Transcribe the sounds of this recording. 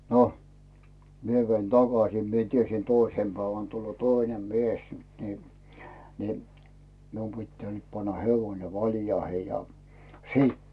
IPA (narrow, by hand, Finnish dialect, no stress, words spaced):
no mie ʋein tɑkɑsiˑ mie tiesi toisem pæiʋæn tulːoː toinem mies ni ni mium pitːæː nyt pɑnːɑ heʋoĭne ʋɑljɑihe jɑ siˑt